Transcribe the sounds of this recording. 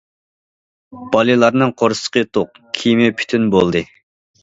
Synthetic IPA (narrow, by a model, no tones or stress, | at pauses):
b̥ɑlˠɨlˠɑɾnɨŋqʰoɾsə̥qət̪ʰoq | kʲʰimɪpʰy̥t̪ʰynbolˠd̪ɨ